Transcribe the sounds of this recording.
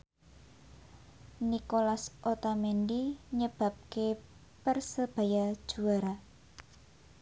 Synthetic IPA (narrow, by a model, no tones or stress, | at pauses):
nikolasʔot̪amenɖiɲəb̥a̤p̚ke | pərsəb̥a̤jad̥ʒ̥ṳaɾa